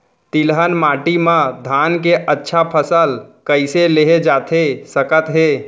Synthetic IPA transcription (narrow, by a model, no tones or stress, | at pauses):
t̪ilɦənmaʈimãd̪ʱankeʔətːʃʰapʰəsəlkəɪseleɦed͡ʒat̪ʰesəkət̪ɦe